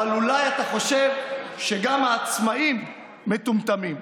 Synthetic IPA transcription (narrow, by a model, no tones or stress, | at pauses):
alulajat̪aχo̞ʃe̞vʃeɡamhaːt͡smaimː | et̪umt̪amim